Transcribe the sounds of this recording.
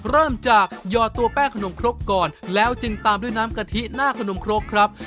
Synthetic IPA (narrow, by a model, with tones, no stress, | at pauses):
ɾɤː˥˩mt͡ɕaː˨˩k̚jɔː˧t̪u˧ɐpɛː˥˩ŋkʰa˧no˧mkʰɾo˦˥pkɔː˨˩nlɛː˦˥wt͡ɕɯ˧ŋt̪aː˧mdu˥˩jnaː˦˥mka˧t̪ʰi˦˥ʔnaː˥˩kʰa˧no˧mkʰɾo˦˥k̚kʰɾa˦˥p̚